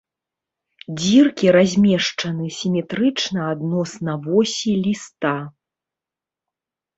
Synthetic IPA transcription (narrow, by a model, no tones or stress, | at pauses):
d͡zʲirkʲiɾazʲmʲɛʂt͡ʂɐnɨsʲimʲɛt̪ɾɨt͡ʂnɐad̪nɔsnɐvɔsʲilʲist̪a